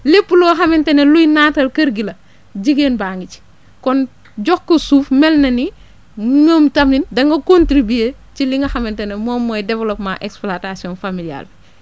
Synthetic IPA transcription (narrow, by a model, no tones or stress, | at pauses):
lepːulɔːxɐmɛntɐnɛlujnaːtɐlkɐɾɡilɐ | ɟiɡeːnbaːŋɡici̥ | kɔn | ɟɔkːəsuːfmɛlnɐni | ŋəːmtɐmnindɐŋɡɐkontɾibieː | ciliŋɡɐxɐmɛntɐnɛmɔːmːɔːjdɛvɐlɔpmaʔɛksplatasijɔnfamilia̰lbi